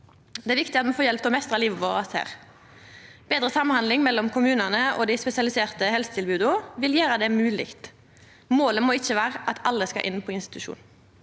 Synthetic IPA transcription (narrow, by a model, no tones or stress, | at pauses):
d̪ɛæɾʋɪkt̪ɪɑt̪mɛfoːjɛlpt̪ɔmɛst̪ʁɑliːʋəʋoːʁɑshæ̰ːʁ | b̥eːd̪ʁəsɑmnhɑnd̪lɪŋmɛlːɔmkʰʊmʉːnənəɔ̰ːd̪ɪspɛsɪɑlɪseːʁt̪əhɛlsət̪ʰɪlbʉːd̪ʊʋɪljøːʁəd̪ɛmʉːlɪkt̪ | moːləmoːɪçːəʋæːʁəʔɑt̪ʰɑlːəskɑ̰ʔɪ̰npʰɔɪnst̪ɪ̥t̪ʉʃṵːn̩